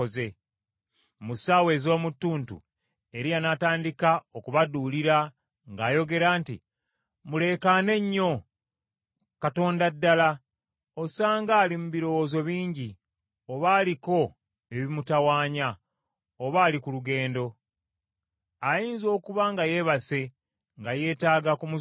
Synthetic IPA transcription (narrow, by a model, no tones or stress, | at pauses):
oze̞ | musawe̞ːzo̞ːmutːuːntṵ | e̞ɾijanataːndikaokuβaduːliɾa | ŋɡaːjo̞ɡe̞ɾaːntḭ | mule̞ːkane̞ɲːo̞ | kato̞ːndadːala | o̞saːŋɡaːlimuβiɾo̞woːzo̞βiːɲɟi | o̞βaːliko̞ | e̞βimutawaːɲa | oβaːlikuluɡe̞ːndo̞ | ajiːnzo̞ːkuβaŋɡaje̞βase̞ | ŋɡaje̞ːtaːɡakumu